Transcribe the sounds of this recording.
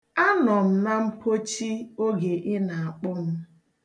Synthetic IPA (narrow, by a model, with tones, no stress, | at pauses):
a˦nɔ˨m̩˦na˦m̩˦ko˦t͡ʃi˦o˦ɡe˨ʔɪ˦na˨a˨k͡pʊ˦m̩˦